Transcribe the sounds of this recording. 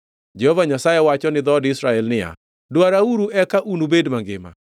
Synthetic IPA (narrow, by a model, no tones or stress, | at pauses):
d͡ʒɛhɔvaɲasajewat͡ʃɔnɪd̪ɔdɪsɾaɛlnɪa̰ | dwaɾauɾuʔɛkaʔunubedmaŋɡɪma̰